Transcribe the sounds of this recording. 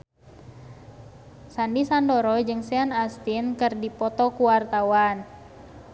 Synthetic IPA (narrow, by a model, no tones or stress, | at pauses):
sandisandɔɾɔd͡ʒɨŋsɛanast̪inkɨrdipɔt̪ɔkuwart̪awan